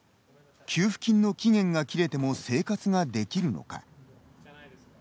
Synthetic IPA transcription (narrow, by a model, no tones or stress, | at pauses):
kʲʰɨːɸɯ̟̥kʲĩnːo̞kʲiŋẽ̞ŋɡakʲiɾe̞t̪e̞mo̞se̞ːkat͡sɨɡad̪e̞kʲiɾɯ̟no̞̰ka̰